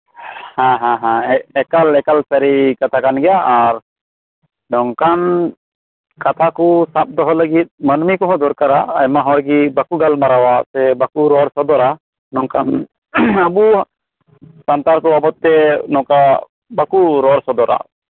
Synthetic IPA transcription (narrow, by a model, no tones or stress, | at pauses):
hãɦãɦãɛɛkalɛkalsaɾikat̪ʰakanɡɛjaːɾ | ɖɔŋkan | kat̪ʰakusap̚d̪ɔɦɔləɡit̪̚mənmikɔɦɔ̃d̪ɔɾkaɾaajmaɦɔ̃ɾɡibakuɡalmaɾawasɛbakuɾɔɾsɔd̪ɔɾa | nɔŋkan | əbu | sant̪aɾkɔbabɔt̪ːɛnɔka | bakuɾɔɾsɔd̪ɔɾa̰